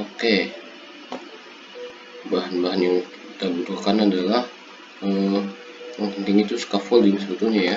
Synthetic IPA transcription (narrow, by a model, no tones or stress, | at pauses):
oke | baɦanbaɦanjaŋkit̪abut̪ukanadalah | ə | jaŋpənt̪ɪŋit̪usə̥kafɔldiŋsəbət̪uhɲaja